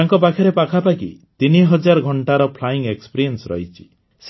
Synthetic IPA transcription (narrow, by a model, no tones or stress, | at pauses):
aŋkɔpakʰɔɾepakʰapakḭt̪iniɦɔd͡ʒaɾɔɡʱɔɳʈaɾɔpʰlaiŋekspiɾiensɾɔ̰ɦit͡ʃʰi̥ | s